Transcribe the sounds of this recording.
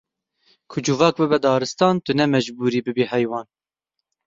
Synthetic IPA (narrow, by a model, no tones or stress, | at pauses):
kʰʊd͡ʒʊvɑːk̚bɨbɛd̪ɑːɾɨst̪ɑːnt̪ʊnɛmɛʒbuːɾiːbɨbiːhɛjwɑːn